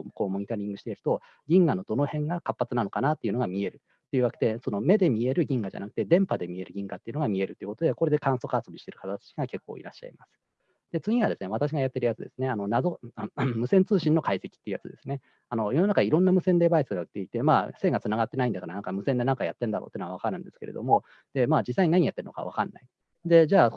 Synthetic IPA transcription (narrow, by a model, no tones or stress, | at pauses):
ko̞ːmo̞ɲ̟it̪aɾʲĩŋɡɯ̟ɕi̥t̪e̞iɾɯ̟t̪o̞ | ɡʲĩŋɡano̞d̪o̞no̞hẽ̞ŋɡakapːat͡sɨnano̞kanat̪ːe̞iɯ̟no̞ɡamʲie̞ɾɯ̟ | t̪ːe̞iɯ̟βake̥t̪e̞so̞no̞me̞d̪e̞mʲie̞ɾɯ̟ɡʲĩŋɡaʑa̰nakɯ̟̥t̪e̞d̪ẽ̞mpad̪e̞mʲie̞ɾɯ̟ɡʲĩŋɡat̪ːeiɯ̟noamʲie̞ɾɯ̟t̪ːeiɯ̟ko̞t̪o̞d̪eko̞ɾe̞d̪e̞kãɰ̃so̞kaso̞bʲiɕi̥t̪e̞ɾɯ̟kat̪at̪ḁt͡ɕiɡake̞kːo̞̰ːḭɾa̰ɕːa̰ḭmasɨ̥ | d̪̥e̞t͡sɨɲ̟ĩβad̪e̞sɨneβat̪aɕ̬iɡajat̪ːe̞ɾɯ̟jat͡sɨd̪e̞̰sɨ̥ne̞ano̞nazomːɯ̟sẽ̞nt͡sɨːɕĩnːo̞kaise̞kʲi̥t̪ːeiɯ̟ja̰t͡sɨd̪e̞sɨne̞ | ano̞jo̞no̞nakaiɾõ̞nːamɯ̟sẽ̞nd̪e̞baisɨɡaɯ̟t̪ːe̞it̪e̞maːse̞ːɡat͡sɨnaɡat̪ːe̞naĩnd̪akaɾanãŋkamɯ̟sẽ̞nd̪e̞nãŋkajat̪ːẽ̞nd̪aɾoːt̪eːnoaβakaɾɯ̟̃nd̪e̞sɨ̥ke̞̰ɾed̪omo̞ | d̪̥e̞maːd͡ʑisːaiɲnaɲ̟ijat̪ːe̞ɾɯnka̰βa̰kanːʔa̰i | d̪e̞d͡ʑaː